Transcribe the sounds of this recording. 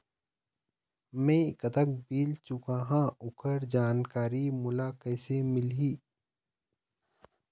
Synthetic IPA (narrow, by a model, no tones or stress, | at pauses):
mẽkət̪ək̚biːlt͡ʃʊkaːɦãʊkəɾd͡ʒaːnkaːɾimʊlakɛːsemɪlɦiː